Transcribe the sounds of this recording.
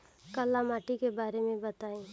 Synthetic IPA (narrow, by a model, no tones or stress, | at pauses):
kəlaːmaːʈikebaːɾemẽbɐt̪aːĩː